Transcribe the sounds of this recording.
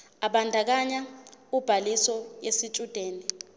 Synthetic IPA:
aɓandʱak̬aɲaub̥ʱalisɔjesit͡ʃʼud̥ʱeːni

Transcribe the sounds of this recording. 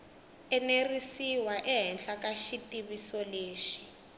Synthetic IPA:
ɛnerisiwaʔɛɦɛnɬakaʃitʼiβisɔleːʃi̥

